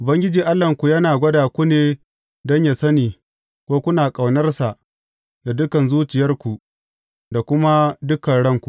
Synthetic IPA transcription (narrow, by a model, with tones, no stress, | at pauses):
ʔʊ˨bɐ˦ŋɡʲɪ˦d͡ʒiː˨ʔa˦lːɐ˨ŋkʷu˨jɐ˦naː˨ɡʷɐ˦daː˨kʷu˦neː˨ | dɔ˦ɲja˨sɐ˦niː˨ | kʷoː˦kʷʊ˦naː˨kʼa˨wnɐ˦rsa˨ʔ | da˨dʊ˦kɐ˨nzuː˦t͡ʃɪ˨jɐ˦rkʷu˨ | da˨kʷʊ˦ma˦dʊ˦kɐ˨ɽɐ˦ŋkʷu˨